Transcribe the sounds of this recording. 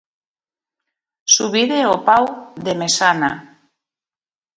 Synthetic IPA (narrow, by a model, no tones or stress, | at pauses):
suβiðeopawd̪emesana